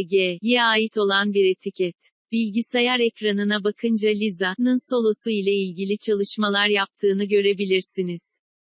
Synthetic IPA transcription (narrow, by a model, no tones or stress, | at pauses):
ɟeːjɛaːjit̪ʰo̞lˠanbiɾe̞t̪ʰicʰɛt̪ | b̥ilʲɟisajaɾɛcɾanɯnabakʰɯnd͡ʒalʲizanɯnso̞lˠo̞suilʲɛilʲɟilʲit͡ʃʰalˠɯʃmalˠaɾjap̚t̪ʰɯːnɯɟø̞ɾe̞bilʲiɾsiniz̥